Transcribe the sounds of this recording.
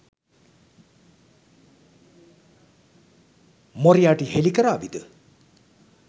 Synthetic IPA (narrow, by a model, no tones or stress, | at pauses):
mɔɾijaʈiɦelikəɾabid̪ə